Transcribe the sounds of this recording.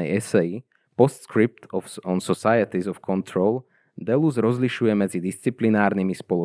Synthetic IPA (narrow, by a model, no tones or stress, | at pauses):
ɛjɛsɛji | pɔst̪skɾip̚t̪ɔfɔnsɔsajɛt̪izɔfkʰɔnt̪ɾɔl | d̪ɛluzɾɔzliʃujɛmɛd͡zid̪ist͡siplinaːɾnimispɔlɔ